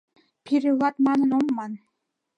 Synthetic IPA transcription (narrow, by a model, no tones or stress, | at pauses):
pʰiɾĕlˠɑt̪mɑnɤ̆nomːɑn